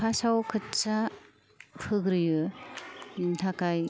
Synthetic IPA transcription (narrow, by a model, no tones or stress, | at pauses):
pʰasawkʰɯt͡ʃa | pʰɯɡɾɯjɯ | tʰakaj